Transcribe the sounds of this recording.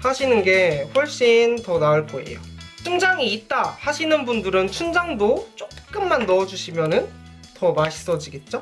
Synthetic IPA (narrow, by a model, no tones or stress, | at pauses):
haɕʰinɯnɡe̞ɸwʌɭɕ͈intʌnaɯɭpʰoḛjo̰t͡ɕ͈ʰɯŋd͡ʑaŋiːt̚t͈ahaɕʰinɯnbundɯɾɯnt͡ɕʰund͡ʑaŋdot͡ɕ͈okk͈ɯmːanːʌːd͡ʑuɕʰimjʌnɯn | tʌmaɕʰi̥s͈ʌd͡ʑiɡe̞t̚t͡ɕ͈o